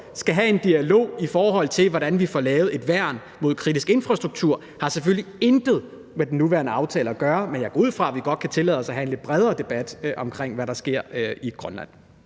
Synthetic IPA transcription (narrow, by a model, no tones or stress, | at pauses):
sɡ̥æɦæe̝nd̥iælo̝̰ːifɒːɦɒ̽l̰t͡sʰe̝lʋɒɾænʋifɒlɛːʊð̩ˠe̝d̥ʋæɐ̰n | mo̝ð̞̰ˠkʰʁidisɡ̥e̝nfʁɑ̈sd̥ʁuɡ̥̚t͡sʰuɐ̰ | hɑ̈sefølliend̥ð̩ˠ | med̥n̩ːuʋæɐnəɑ̈ʊt͡sʰɛ̰ːlɐæɡ̥ɶːɐmenjɑ̈ɡ̥ɒ̰ːuð̰ˠfʁɑ̈ʋiɡ̥ɒ̽d̥̚kʰæt͡sʰe̝lɛ̰ð̰ˠɒsæɦæe̝nle̝d̥̚b̥ʁɛð̞ˠɐːd̥e̝b̥æd̥ʔɒ̽mkʰʁeŋ̰ʋæɾɑ̈sɡ̥e̝ɐ̰iɡ̥ʁɶnlæ̰n̰